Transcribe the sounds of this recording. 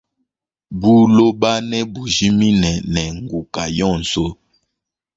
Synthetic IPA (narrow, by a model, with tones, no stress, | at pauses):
bu˦lo˦ba˦nɛ˦bu˨ʒi˦mi˦nɛ˨nɛ˨ŋɡu˨ka˨jɔ˦˨n̩˨so˦